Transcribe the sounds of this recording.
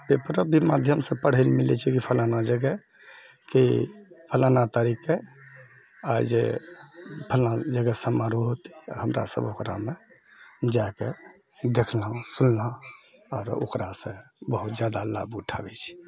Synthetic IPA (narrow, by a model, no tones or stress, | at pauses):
bepəɾəbʱimad̪ʱjəmsẽpəɽ̤əlmilɛt͡ʃʰikipʰəlanad͡ʒəɡɛ | kipʰəlanat̪əɾike | ajd͡ʒḛ | pʰəlad͡ʒəɡɛsəmaɾuɦot̪i̥ɔ̰ɦəmɾa̰sə̰bokɾa̰me | d͡ʒake | d̪ekʰlɦsunlãɔːɾo̰kɾasẽbəɦut̪̚d͡ʒjad̪ala̰buʈʰa̰ɡɛt͡ʃʰi̥